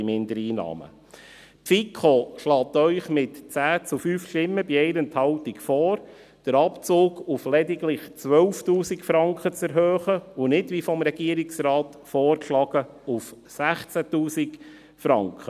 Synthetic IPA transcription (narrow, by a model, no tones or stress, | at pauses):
imɪnd̪əɾiːnɑ̰ːmə̰ | pfikʰχoʃlɑːt̪œʏχmɪtt͡sæːt͡sufyːfʃtɪmːəbiɛɪnənt̪hɑltikfɔːɾ | d̥əɾɑpt͡soːɡuflɛdiɡlɪχt͡sʋœlftuːsikfɾɑŋkχət͡sɛɾɦøːχəʊnɪdʋifɔmɾɛɡ̥iːəɾiksɾɑːt̪fɔːrkʃlɑɡ̥ə | uf | sæχt͡sætuːsik | fɾɑŋkχə